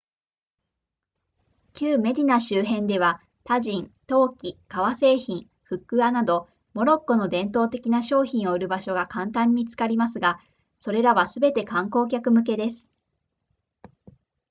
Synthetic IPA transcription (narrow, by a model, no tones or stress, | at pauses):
kʲɨːme̞d̪ʲinaɕɨːɦẽ̞nd̪e̞β̞a | t̪aʑĩnt̪o̞ːkʲikaβase̞ːçĩ | ɸɯ̟kːɯ̟anad̪o̞ | mo̞ɾo̞kːo̞no̞d̪ẽ̞nt̪o̞ːt̪e̞kʲinaɕo̞ːçĩɰ̃o̞ɯ̟ɾɯ̟baɕo̞ɡakãnt̪ãɲ̟ːit͡sɨ̥kaɾʲimasɨɡa | so̞ɾe̞ɾaβasɨbe̞t̪e̞kãŋko̞ːk̬ʲakɯ̟mɯ̟k̬e̞d̪e̞sɨ̥